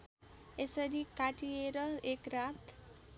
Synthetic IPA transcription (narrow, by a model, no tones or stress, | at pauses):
esʌɾikaʈijeɾʌekrat̪